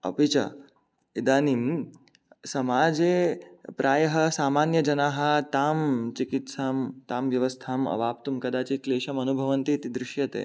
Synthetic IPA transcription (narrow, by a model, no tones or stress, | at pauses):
ɐ̰pit͡ʃɐ̰ | id̪aːnim | sɐmaːd͡ʒepɾʔaːjɐɦɐsaːmaːnjɐd͡ʒɐnaːɦɐ̆t̪aːmt͡ʃikit̪saːmt̪aːmʋjɐʋəst̪ʰaːmɐ̰ʋaːp̚t̪umkɐd̪aːt͡ʃiːt̪leːʃɐmɐnubʱɐʋɐnt̪it̪d̪ɾɪʃjɐt̪ḛː